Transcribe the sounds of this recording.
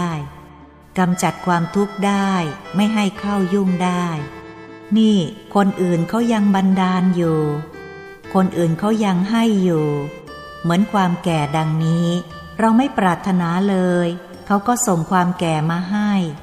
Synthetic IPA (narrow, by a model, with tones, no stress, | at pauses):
j | ka˧mt͡ɕa˨˩t̪̚kʰwaː˧mt̪ʰu˦˥k̚daː˥˩jma˥˩jɦa˥˩jkʰa˥˩wju˥˩ŋdaː˥˩j | niː˥˩kʰo˧nʔɯː˨˩nkʰa˦˥wja˧ŋba˧ndaː˧njuː˨˩ | kʰo˧nʔɯː˨˩nkʰa˦˥wja˧ŋɦa˥˩jːuː˨˩ | mɯ˩˦ənkʰwaː˧mkɛː˨˩da˧ŋniː˦˥ | ɾa˧wma˥˩jpɾaː˨˩t̪ʰːa˧naː˩˦lɤː˧j | kʰa˦˥wkɔː˥˩so˨˩ŋkʰwaː˧mkɛː˨˩maː˧ɦa˥˩j